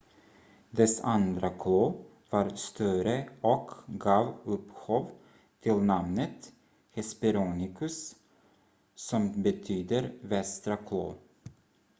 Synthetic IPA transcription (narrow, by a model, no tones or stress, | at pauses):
d̪ɛsa̰nd̪ɾakʰloː | vɑɾst̪œɾəɔkɡɑːvɵphoːv | t̪ʰɪlnamnət̪ | hɛspɛɾuːnɪkʰɵs | sɔmbɛt̪ʰyːd̪əɾvɛst̪ɾakʰlo̰ː